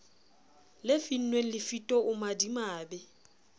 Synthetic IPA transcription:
lɪfin̩nwen̩lɪfitʼɔʔʊmadimaːbɛ

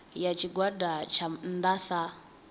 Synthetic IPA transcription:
jat͡ʃiɡwadat͡ʃʰand̪asa

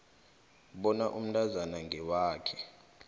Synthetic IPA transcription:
ɓɔnaʔum̩nʱʼazanaŋɡʱɛwaːkʰɛ̥

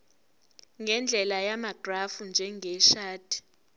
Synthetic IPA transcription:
ŋɡɛnd͡ɮʱɛlajamaɡ̥ʱrafund͡ʒʱɛŋɡʱɛʃaːd̥ʰʱʼi̥

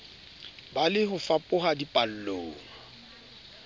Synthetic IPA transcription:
balɪɦʊfapʼʊɦadipʼal̩loːŋ̩

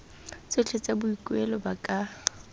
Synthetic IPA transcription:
t͡sɪt͡ɬʰet͡sʼabʊikʼwɛlɔbakʼa

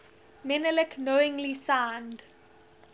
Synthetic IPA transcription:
mɛnələknoɪ̃ŋlisãʊnd

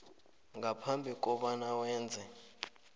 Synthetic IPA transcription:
ŋɡapʰambʱikʼɔɓanawɛːnd͡zʱɛ

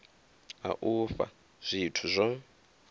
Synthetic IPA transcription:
a̰ʔufa̰ | z̥ʷitʰuzʷɔ

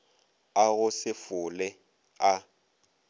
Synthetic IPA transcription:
aɣʊsɪfʊlɛ | a

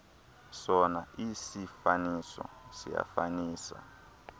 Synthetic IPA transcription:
sɔnaʔisifanisɔ̰sija̰faniːsa̰

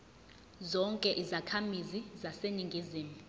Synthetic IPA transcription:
zɔŋkʼɛʔizakʰamizizaseniŋɡʱiziːmu

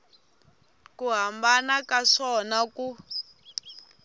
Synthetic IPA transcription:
kuɦambanakaʂɔnaku

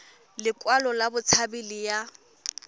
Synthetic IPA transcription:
lɪkʼwalɔlabʊt͡sʰabɪlɪja

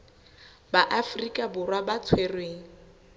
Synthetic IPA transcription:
baʔafrikʼabʊrwabat͡sʰwerweːŋ̩

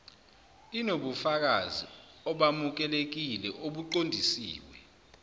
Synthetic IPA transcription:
inoɓufak̬azi | ɔɓamuk̬ɛlek̬ilɛʔoɓuǃondʱisḭːwɛ

